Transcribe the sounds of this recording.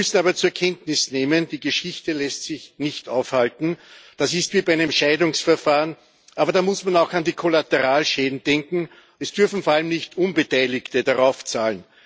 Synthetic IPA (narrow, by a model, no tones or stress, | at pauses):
ʏsn̩aːbɐt͡suːɐkʰɛntnɪsneːmənd̥iːɡəʃɪçtəlɛstsɪçnɪçtʔa̰ʊfhaltn̩d̥asɪstv̥iːbanɛnʃaɪdʊŋsfɛɐfaːʁən | ʔaːbɐdaːmʊsmanaʊxandiːkʰolatəʁaːlʃeːdn̩d̥ɛŋkŋ̩ | ɛsd̥ʏɐfn̩foɐalmnɪçtʔʊnbətaɪlɪktədaʁaʊft͡saːln